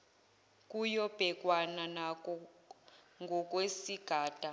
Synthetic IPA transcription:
kʼujɔb̥ʱɛk̬ʼwananakʼɔ | ŋɡʱɔk̬ʼwesiɡ̥ʱaːd̥ʼʱa

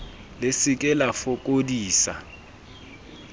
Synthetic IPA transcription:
lesɪk̬ʼɛlafɔk̬ʼodiːsa

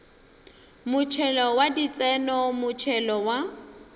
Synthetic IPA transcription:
mʊt͡ʃʰɛlɔwadit͡sʼɛnɔmʊt͡ʃʰɛlɔwa

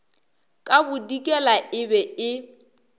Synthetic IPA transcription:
kʼabʊdikʼɛlaʔɪbɛɪ

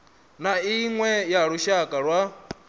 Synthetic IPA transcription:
naiŋwɛjaɺuʃakʼaɺwa

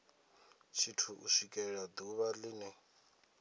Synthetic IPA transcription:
t͡ʃʰitʰuʔuʃikʼɛɺad̪uβaliːnɛ

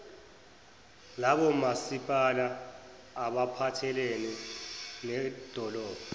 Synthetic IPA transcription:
laɓɔmasipʼalaː | ɓapʰatʰɛlenɛ | nɛd̥ʱɔlɔːb̥ʱɔ

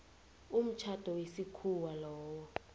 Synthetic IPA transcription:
um̩t͡ʃʰad̥ʱɔwesikʰuwalɔːwɔ

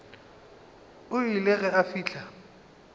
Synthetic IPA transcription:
ʊileɣɛafiːɬʰa

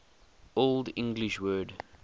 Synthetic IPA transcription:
oldɪ̃ŋɡliʃwɜːd

